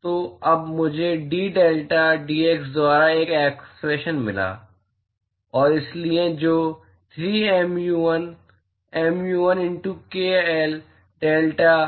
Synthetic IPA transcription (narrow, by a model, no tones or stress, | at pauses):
t̪oːɐbmʊd͡ʒʱeɖiːɖeːlʈaɖiːeːksd̪ɔːɾaeːkɛːksɾeːʃənmɪla̰ː | ɔːɾɪsliẽd͡ʒoː | t̪ʰɾiːemjuən | ɛmjuːʋənɪ̃ɳʈukeːɛːl | ɖeːlʈa